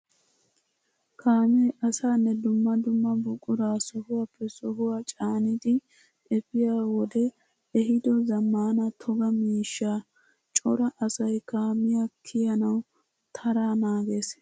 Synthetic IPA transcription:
kʰaːmɛʔɐsaːnːɛd̪ʊmːɐd̪ʊmːɐbʊkʼʊɾaːsɔhʊwapːɛsɔɦʊwat͡ʃʼaːnɪd̪ɪ | ɛfɪjaːwɔd̪ɛ | ɛɦɪd̪ɔzɐmːaːnɐt̪ʰɔɡɐmiːʃːaː | t͡ʃʼɔɾɐʔɐsɐjkaːmɪjakʰɪjɐnɐw | t̪ʰɐɾaːnaːɡeːs

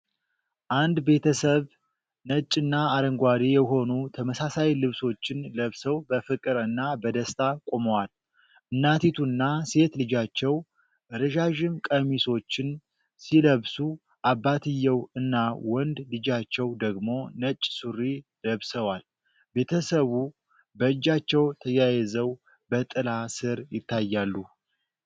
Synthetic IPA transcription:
ʔand̪be̞t̪ʰəsəβ | nət͡ʃʼɨnːaːɾəŋɡʷad̪ijɛɦo̞nut̪ʰəməsasajlɨβso̞t͡ʃːɪnləβsəwbəfɨkʼɨɾɨnːabəd̪əst̪ʰakʼoməwal | ʔɨnːat̪ʰit̪ʰunːase̞t̪lɨd͡ʒat͡ʃːɛw | ʔɨɾɨʒaʒɪmkʼəmiso̞t͡ʃːɪn | siləβsu | ʔabːat̪ʰɨjːɛwɨnːawɔnd̪lɨd͡ʒat͡ʃːɛwd̪əɡmo̞nət͡ʃʼːsuɾːiləβsəwal | be̞t̪ʰəsəβu | bəɨd͡ʒːat͡ʃːɛwt̪ʰəjajɛzəw | bət̪ʼɨlasɨɾjɪt̪ʰːajːalːu

